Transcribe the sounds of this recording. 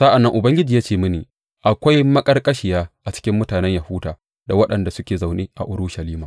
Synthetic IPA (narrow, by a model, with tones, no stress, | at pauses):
sa˦ʔa˨nːɐ˦ŋʔʊ˨bɐ˦ŋɡʲɪ˦d͡ʒiː˨jaː˦t͡ʃeː˦˨mɪ˦neː˨ | ʔa˨kʷa˦jmɐ˦kʼɐ˦rkʼɐ˦ʃɪ˨jaː˦ʔa˨t͡ʃɪ̥˦kʲɪ˦mːʊ˦taː˨nɛ˦ɲja˨huː˦daː˨ | da˨wɐ˦ɗɐ˨nda˨sʊ˦kʲeː˨za˨wneː˦ʔa̰˨ʔʊ˦ɾʊ˦ʃɐ˨liː˦maː˨